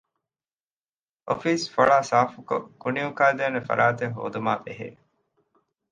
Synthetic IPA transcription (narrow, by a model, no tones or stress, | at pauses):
ʔo̰fiːsfɐɭaːsaːfuko̰kunijukaːd̪eːnefɐ̰ɾʔaːt̪eɦo̰ːd̪umaːbeɦḛː